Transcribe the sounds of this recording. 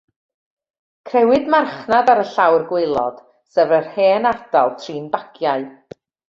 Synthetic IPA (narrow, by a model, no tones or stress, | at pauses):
kʰrɛwɨdmarχnadaɾəɬawrɡwɪlˠɔ̰d̥ | sɛvərheːnad̥alˠtʰriːnbaɡjaɨ